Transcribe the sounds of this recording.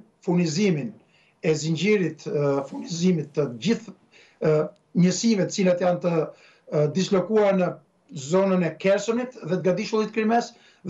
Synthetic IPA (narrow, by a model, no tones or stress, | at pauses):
funizimin | ɛziɲɟiɾit̪funizimit̪ːəɟiθ | ɲəsivɛt̪ə̥t͡silat̪jant̪ə | d̪islɔkuaɾnə | zɔnənɛkɛɾsɔnit̪ðɛt̪əɡad̪iʃulit̪kɾimɛs | ð